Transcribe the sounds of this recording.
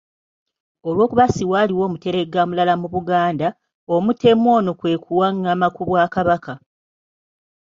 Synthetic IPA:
olwo̞ːkuβasiwaːliwo̞ːmute̞ɾe̞ɡamulalamuβuɡaːnda | o̞mute̞mwo̞ːnokwe̞ːkʰuwaŋːaːmakuβwaːkaβaka

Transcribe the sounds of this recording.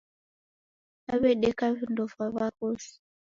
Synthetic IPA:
aβɛɗɛkavindɔfaβakɔsi̥

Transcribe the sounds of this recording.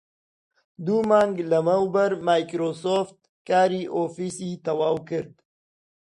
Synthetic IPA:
d̪umaŋɡlɐmawbəɾmaːjkɾosoft̪̚ | kaːɾiʔofisit̪ɐwaːwkəɾd̪

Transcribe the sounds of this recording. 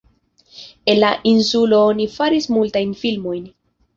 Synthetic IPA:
e̞nlaʔinsulo̞onifaɾismultajnfilmo̞jn

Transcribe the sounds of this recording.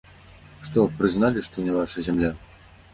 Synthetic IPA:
ʂt̪ɔpɾɨznalʲiʂt̪ɔnʲɛvaʂɐzʲamlʲa

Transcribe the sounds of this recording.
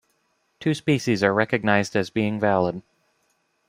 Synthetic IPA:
tʰʉspiʃizə˞ɹɛkɨɡ̚naɪzdɨzbiɪ̃ŋvælˠəd̥̚

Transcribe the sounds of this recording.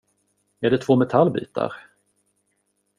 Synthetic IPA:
ɛɖɛt̪ʰvoːmɛt̪ʰalbḭːt̪ʰa̰ɾ

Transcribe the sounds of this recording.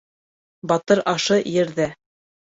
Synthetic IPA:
bɑt̪ɤɾɑʃɤjɘ̆ɾðæ

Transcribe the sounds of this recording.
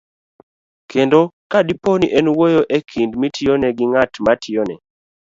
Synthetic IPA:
kendokadiponiʔɛnwojoʔekʰindmitʰɪoneɡɪŋatmatʰɪonɛ̰

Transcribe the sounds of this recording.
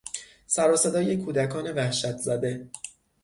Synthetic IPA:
sæɾɒːsed̪ɒːje̞kʰuːd̪ækʰɒːne̞væhʃæt̪ʰzæd̪e̞

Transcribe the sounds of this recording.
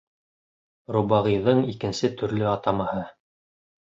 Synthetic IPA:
rubɑʁɤjðɤɴikɘ̆nsɘt̪ʰɵ̆ɾlɵɑt̪ɑmɑhɤ

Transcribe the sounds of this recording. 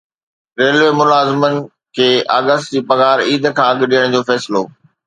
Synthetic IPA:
ɾeːlemʊlaːzɪmənɪ̆ | kʰeːaːɡəst̪d͡ʑiːpɐɣaːɾiːd̪kʰãːɐɠɗijəɽ̃d͡ʑoːfɛːsɪloː

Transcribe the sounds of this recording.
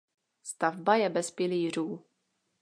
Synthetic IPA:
st̪avbajɛbɛspɪliːr̝uː

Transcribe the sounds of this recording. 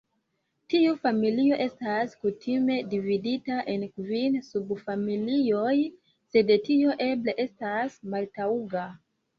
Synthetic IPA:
tiufamilio̞ʔe̞staskutʰime̞dividitaʔenkvinsubfamilio̞j | se̞de̞tio̞ʔe̞bleʔe̞stasmaltauɡa

